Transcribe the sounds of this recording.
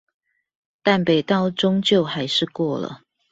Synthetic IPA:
t̪a˥˩npe˨˩ɪt̪ɑ˥˩ʊʈ͡ʂʊ˥ŋt͡ɕjo˥˨ʊxa˧˥ɪʂɻ̩˥˧kwɔ˥˩lə̰˩

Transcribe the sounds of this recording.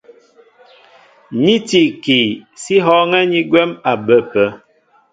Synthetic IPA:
ɲi˦ti˨ki˨si˦ɦɔ˦ŋɛ˦ɲi˦ɡwɛ˦ma˨bə˦pə˦

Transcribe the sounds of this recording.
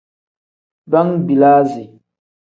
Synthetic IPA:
ba˦ŋbi˨laː˦zi˨

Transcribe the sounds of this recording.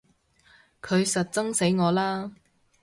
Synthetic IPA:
kʰɵ˨˧ɥsɐ˨t̚t͡sɐ˥ŋse˨˥jŋɔː˨˧laː˥

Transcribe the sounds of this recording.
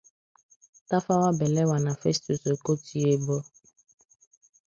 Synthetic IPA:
ta˦fa˦wa˦bɛ˨lɛ˦wa˨nã˨fe˦st̪u˨so˨ko˦tʰi˦e˦bɔ˦

